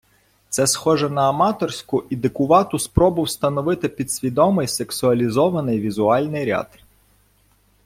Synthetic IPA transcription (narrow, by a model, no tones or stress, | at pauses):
t̪sɛsxɔʒɛnɐːmɑt̪ɔrsʲkʊʔid̪ɪkʊʋɑt̪ʊspɾɔbɨwst̪ɐnɔʋɪt̪ɪpʲid̪̥sʲʋʲid̪ɔmɪjseksʊɐlʲizɔʋɐnɪjʋʲizʊɑlʲnɪjɾʲɑ̰d̪̥